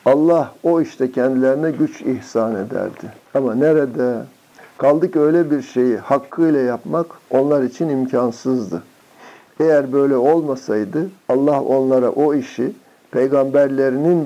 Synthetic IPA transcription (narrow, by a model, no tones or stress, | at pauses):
alˠːaho̞iʃt̪ʰɛcʰɛnd̪ilʲeɾinɛɟyt͡ʃihsaːned̪æ̰ɾd̪̥ɪamaneɾed̪ɛ | kʰalˠd̪ɯkø̞jlʲɛbiɾʃe̞jihakʰːɯjlʲˠajapmako̞nlˠaɾit͡ʃʰinimcʰansɯzd̪ɯ | e̞jæɾbø̞jlʲɛo̞lˠmasajd̪ɯalˠːaho̞̰nlˠaɾa̰ʔoiʃi | pʰe̞jɡambæɾlʲe̞ɾinin